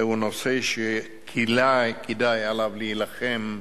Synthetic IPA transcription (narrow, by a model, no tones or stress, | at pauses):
unoseʃe | kʰilajkid̪ajalavlijilaχem